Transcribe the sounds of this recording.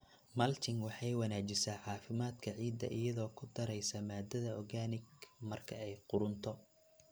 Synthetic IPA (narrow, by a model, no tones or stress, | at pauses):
mɐlt̪ʰɪŋwɑħɑjwɑnaːt͡ʃɪsaːʕɑːfɪmaːd̪kʰɐʕiːd̪ːɐ̰ʔɪjɐðɔːkʰʊd̪ɐɾɛjsɐmaːd̪ɐðɐɔɡaːnɪɡmɐrkʰɐɛjqʊɾʊnt̪ʰɔ